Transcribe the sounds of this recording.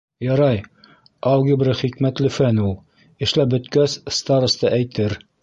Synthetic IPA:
jɑɾɑj | ɑlˠɡibɾɘχikmæt̪lɘfænulˠ | ɘ̆ʃlæbɵ̆t̪kæsst̪aɾost̪ɑʔæjt̪ɘɾ

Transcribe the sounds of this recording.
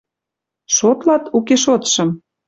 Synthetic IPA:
ʃot̪lɑt̪ukeʃot̪ʃɤ̆m

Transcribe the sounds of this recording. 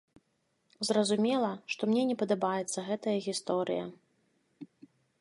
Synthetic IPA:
zrɐzumʲɛlˠɐʂt̪ɔmnʲɛnʲɛpɐd̪ɐbajɛt̪sːɐɣɛt̪ɐjɐɣʲist̪ɔɾɨ̰jɐ̰

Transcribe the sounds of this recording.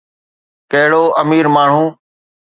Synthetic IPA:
kəɦɽoːʔəmiːɾmaːɳ̤ũː

